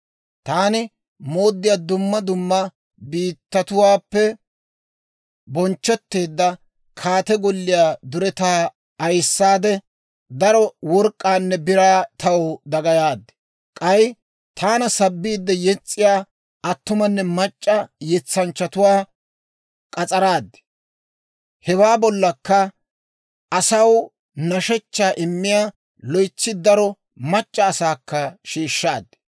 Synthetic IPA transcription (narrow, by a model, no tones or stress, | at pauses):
t̪aːnɪ | mo̞ːd̪ːɪjaːd̪ʊmːɐd̪ʊmːɐ | biːt̪ːɐt̪ʊwaːpːɛ | bɔnt͡ʃːɔt̪ːe̞ːd̪ːɐ | kʰaːt̪ɛɡɔlːɪjaːd̪ʊɾɛt̪aː | ɐjsːaːd̪ɛ | d̪ɐɾɔwɔɾkʼːaːnːɛbɪɾaːt̪ɐwd̪ɐɡɐjaːd̪ːɛ̥ | kʼɐj | t̪ʰaːnɐsɐbːiːd̪ːɛjɛt͡sʼːɪjaː | ʔɐt̪ːʊmɐnːɛmɐt͡ʃʼːɐjɛt͡sːɐnt͡ʃːɐt̪ʊwaː | kʼɐt͡sʼɐɾaːd̪ːɛ̥ | hɛwaːbɔlːɐkːɐ | ɐsɐw | nɐʃɛt͡ʃːaːʔɪmːɪjaː | lɔjt͡sːɪd̪ɐɾɔ | mɐt͡ʃʼːɐːsaːkːɐʃiːʃːaːd̪ːɪ̥